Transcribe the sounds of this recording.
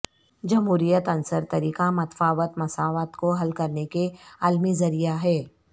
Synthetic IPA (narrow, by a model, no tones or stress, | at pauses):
d͡ʒɐmɦuːɾijət̪ɐ̃nsəɾt̪ɐɾiːkamɐt̪faːʋət̪mɐsaːʋat̪koɦɐlkɐɾnekeaːlmizɐɾijaɦɛː